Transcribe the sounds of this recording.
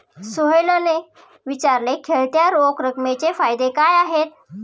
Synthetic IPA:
soɦjləne | ʋit͡ɕaɾlekʰeɭt̪jaɾokɾəkmet͡ɕefajd̪ekajaɦet̪̚

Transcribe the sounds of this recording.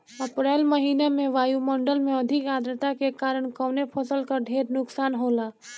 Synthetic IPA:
əpɾɛlməɦiːnemẽʋaːjuməɳɖəlmeəd̪ʱikad̪ɾət̪akekaːɾəɳ̃kəwnepʰəsəlkəɖʱeɾnʊksaːnɦola

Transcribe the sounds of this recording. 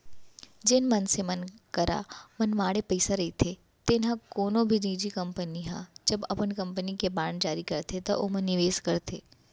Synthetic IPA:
d͡ʒɪnmɐnsemɐnkɐɾa̰mɐnmaːɽepəɪsaɾɐit̪ʰe | t̪eːnɦãkoːnõbʱiniːd͡ʒikɐ̃mpəniɦã̰ːd͡ʒɐbɐpənkɐ̃mpənikebaːɳd͡ʒaːɾikɐɾt̪ʰet̪ɐʔo̰ːmɐnːɪʋeːskɐɾt̪ʰḛː

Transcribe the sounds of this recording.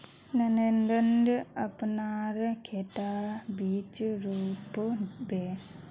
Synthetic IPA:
nɐnenɖənɖɐpnaːɾkʰeʈabiːt͡ʃɾuːpəbe

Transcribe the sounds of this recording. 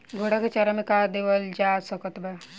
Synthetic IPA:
ɡʱoɽaket͡ʃaɾamekad̪eʋəld͡ʒaːsɔkət̪bɛ

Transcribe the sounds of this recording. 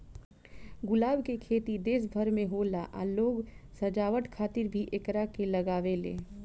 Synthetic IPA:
ɡʊlaːbkekʰeːt̪id̪eːs̬bʱəɾmẽɦoːla̰ʔa̰loːɡsɐd͡ʒaːʋəʈkʰaːt̪ɪɾbʱiʔekɾakelɐɡaːʋelḛː

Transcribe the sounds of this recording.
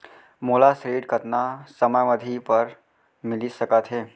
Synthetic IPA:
moːlasɾeːɖkət̪nasəməjʋəd̪ʱipəɾ | mɪlisɐkət̪ɦeː

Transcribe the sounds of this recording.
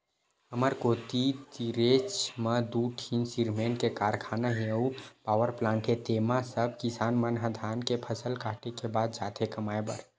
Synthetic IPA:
ɦəməɾkot̪it̪iɾet͡ʃməd̪uʈʰinsiɾmenkekaɾkʰanaɦeəupawəɾplãɳʈet̪emasəb̚ʱkisanmənɦəd̪ʱankepʰəsəlkaʈekebad̪̚d͡ʒat̪ʰekəmaebə̰ɾ

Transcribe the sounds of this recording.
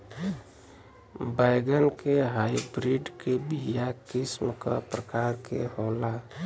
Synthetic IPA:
baɪɡənkeɦaibɾiɖkebijakɪsmka̰pɾəkaɾkḛhoːla

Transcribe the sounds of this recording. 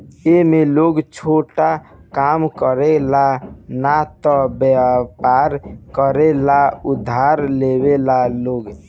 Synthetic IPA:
emeloɡt͡ʃʰoʈakamkəɾelanat̪ɔbɛpaɾkəɾelaud̪ʱːaɾlebelaloɡ

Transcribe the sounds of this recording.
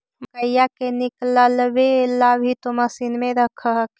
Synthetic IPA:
məkəjjakenikləlbelːabʱit̪oməsinmẽɾəkʰəɦək

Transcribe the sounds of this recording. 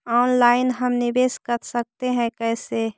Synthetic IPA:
ɔːnlaːɪnɦəmnɪʋeːskəɾsək̚t̪eɦɛ̃kɛːse

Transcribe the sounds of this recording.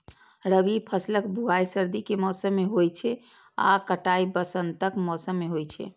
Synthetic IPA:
ɾəbipʰəsləkbʱuajsəɾd̪ikemɔsəmːeɦojt͡ʃʰɛ | a̰kəʈaibəsənt̪əkmɔsəmːeɦojt͡ʃʰɛ̰

